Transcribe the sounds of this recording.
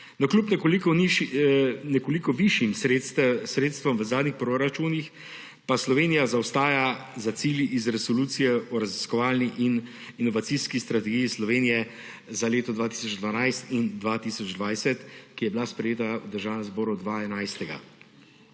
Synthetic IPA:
nɔklʲupnɛkolikɔi | nɛkolikɔʋiʃjimsɾest̪sɾeːt̪st̪ʋɔmʋəzaːd̪nixpɾoɾat͡ʃuːnix | paslɔʋeːnijazawst̪aːjazasiːljiʔizɾɛsɔluːt̪sijɛɔɾaziskɔʋaːlniʔin | inɔʋat̪siskist̪ɾat̪ɛɡijislɔʋeːnijɛ | zaleːt̪ɔd̪ʋaːt̪i̥sɔd͡ʒd̪ʋanajst̪ind̪ʋat̪iːsɔd͡ʒd̪ʋajsɛt̪kijɛbilaspɾɛjeːt̪awd̪əɾʒaːwnɛmzbɔːɾuɔd̪ʋaɛnajst̪ɛɡa̰

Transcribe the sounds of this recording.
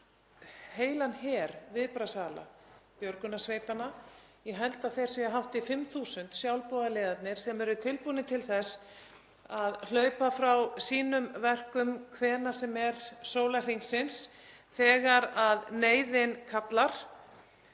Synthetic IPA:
heːjlanɦɛːɾvɪðpɾasaːla̰pjœɾkʏnasveːjt̪anːa | jɛɦɛlt̪aðθejɾ̥sɛɛɦawht̪ɪfɪmθuːsʏnt̪sjawlpɔːðaleːðat̪nɪɾ̥sɛmɛɾʏt̪ʰɪlpuːnɪt̪ʰɪlθɛs | aðl̥œːɥpafɾawsiːnʏmvɛr̥kʏmkʰvɛːnḁsɛmɛɾsoːwlar̥iŋksɪnsθɛːɣaɾaðneːjðɪnkʰat̪laɾ̥

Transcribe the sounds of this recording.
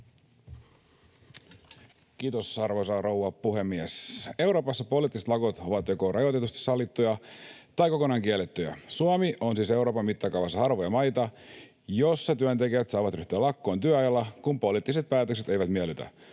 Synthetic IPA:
kiːt̪osɑrʋosɑro̞wʋɑpuhe̞mːiɛse̞wɾo̞ːpɑsːɑpo̞liːt̪ːiset̪lɑkot̪o̞ʋɑt̪jo̞korɑjot̪et̪ust̪i̥sɑlːit̪ːujɑt̪ɑjko̞konɑːŋk̟ielːet̪ːyjɑ̰suomionsiːse̞wɾoːpɑmːit̪ːɑkɑuʋɑsɑhɑrʋojɑmɑjt̪ɑ | jo̞sːɑt̪yønt̪e̞kiæt̪sɑːʋɑt̪ryht̪yælɑkːo̞ːnt̪yøɑjɑlːɑkumpo̞liːt̪ːˑiset̪̚pæːt̪økse̞t̪ejʋæt̪mielyt̪æ̰

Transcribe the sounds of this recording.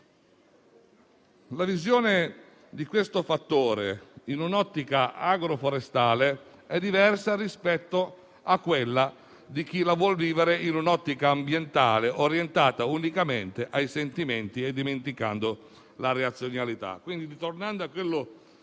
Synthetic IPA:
lavizjoːne | d̪ikwest̪ofat̪ːoːɾḛinunɔt̪ːikaaɡɾofoɾest̪aːle | ɛd̪ːivɛrsarispɛt̪ːo | akːwelːa | d̪ik̟ilavwɔlviːveɾeinunɔt̪ːikaːmbjent̪aːleʔoɾjent̪aːt̪aunikament̪eʔajsent̪iment̪ied̪ːiment̪ika̰nd̪o | laɾeat̪sːjonalit̪a̰kːwind̪id̪it̪ornand̪oakːwelːo

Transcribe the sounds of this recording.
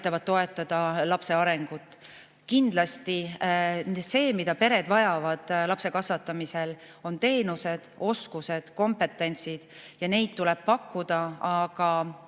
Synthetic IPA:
jt̪ˑːɑvɑd̪̥̚t̪o̞e̞t̪ːˑɑd̪̥ɑlɑpse̞ɑɾe̞ŋɡ̥ut̪ːˑ | kind̪̥lɑst̪i | se̞ːmid̪ɑpe̞ɾe̞d̪vɑjɑvɑd̪̥lɑpse̞kɑsvɑt̪ːˑɑmise̞l | o̞nt̪e̞ːnuse̞d̪̥o̞skuse̞d̪̥ko̞mpe̞t̪ːˑe̞nʲt̪sid̪̥jɑne̞jd̪̥t̪ːulɛ̞b̥̚pɑkːud̪̥ɑɑɡ̥ɑ

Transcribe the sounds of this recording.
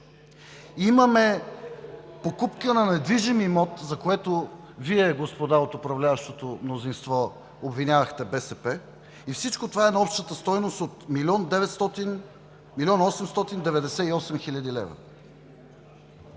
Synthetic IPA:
iməmɛ | pokupkənɐnɛd̪viʒimimɔt̪zɐkoɛt̪o | viɛɡospod̪aot̪opɾɐvlʲavɐʃt̪ot̪omnozinst̪vɔ | obvinʲavɐxt̪ɛbɛsɛpɛ | ifsit͡ʃkot̪ovaɛnɐɔpʃt̪ət̪əst̪ɔjnost̪ot̪milɔnd̪ɛvɛt̪st̪ɔt̪in | milʲiɔnɔsɛmst̪ɔt̪ind̪ɛvɛd̪ɛsɛiɔsɛmxilʲəd̪ilɛ̰vɾə̰

